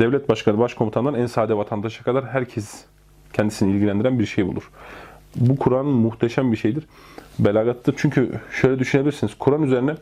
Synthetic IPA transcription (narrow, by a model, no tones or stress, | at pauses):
d̪̥ɛvlʲɛt̪̚baʃkʰanɯbaʃkʰo̞mut̪ʰananænsaːd̪ɛvat̪ʰand̪aʃakʰad̪aɾɦæɾcʰɛs | cʰɛnd̪isinilʲɟilʲænd̪iɾænbiɾʃejbṵlˠṵɾ̥ | bukʰuɾanɯnmuxt̪ʰeʃæmbiɾʃe̞jd̪iɾ̥belʲaːɡat̪ʰːɯt͡ʃʰyɲcʰyʃø̞jlʲɛd̪yʃynebilʲɾsiniz̥kʰuɾanyzeɾinɛ